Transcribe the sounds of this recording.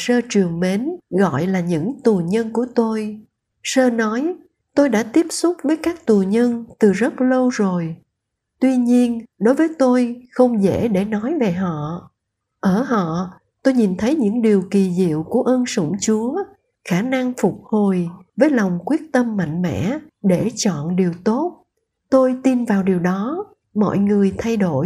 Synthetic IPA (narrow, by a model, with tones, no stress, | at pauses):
səː˧t͡ɕɨ˨˩əŋme˨˦nɣɔ̰˧˨jlaː˨˩ɲɨ̰˧˥ŋt̪u˨˩ɲə˧nku˧˩ət̪o˧j | səː˧nɔ˨˦j | t̪o˧jɗa̰ː˧˥t̪i˦˥əp̚sʊ˦˥k͡p̚vəː˨˦jkaː˦˥k̚t̪u˨˩ɲə˧nt̪ɨ˨˩zə˦˥t̚lə˧wzo˨˩j | t̪wi˧ɲi˧ənɗo˨˦jvəː˨˦jt̪o˧jxə˧wŋ͡mzḛ˧˥ɗe˧˩nɔ˨˦jve˨˩ɦɔ̰˧˨ | ʔəː˧˩ɦɔ̰˧˨ | t̪o˧jɲi˨˩nt̪ʰə˨˦jɲɨ̰˧˥ŋɗi˨˩əwki˨˩zḭ˧˨əwku˧˩əʔə˧nsʊ̰˧˩ŋ͡mt͡ɕu˨˦ə | xaː˧˩na˧ŋfʊ˨˩k͡p̚ho˨˩jvəː˨˦jla˨˩wŋ͡mkwi˦˥ət̚t̪ə˧mːa̰˧˨jŋ̟mɛ̰˧˥ɗe˧˩t͡ɕɔ̰˧˨nɗi˨˩əwt̪o˦˥t̚ | t̪o˧jt̪i˧nvaː˨˩wɗi˨˩əwɗɔ˨˦ | mɔ̰˧˨jŋɨ˨˩əjt̪ʰa˧jɗo˧˩